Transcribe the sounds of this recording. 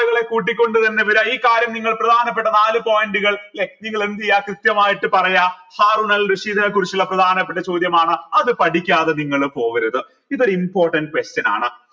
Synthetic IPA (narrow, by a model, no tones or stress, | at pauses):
ɐɣɐɭe̞kuːʈ̬ːikʲːo̞ɳɖɨt̪ɐnːeʋɐɾaiːkːaːɾjɐmniŋːɐɭprɐd̪ʱaːnɐpːeʈːɐnaːlɨpoːjɐnɖɨɣɐɭlek̚niŋːɐɭend̪ijaːkrɨt̪jɐmaːjiʈːɨpɐrɐjahaːruɳɐlrɨʂiːd̪ʰʱɐnɐkurit͡ɕːilːɐprɐd̪ʱaːnɐp̬ːeʈːɐt͡ɕo̞ːd̪jɐmaːɳɨɐðɨpɐʈikʲːaːðeniŋːɐɭpo̞ːʋɐɾuðɨ | iðo̞ɾimpo̞ːrʈːɐnɖɨkwest͡ɕɐna̰ːɳɨ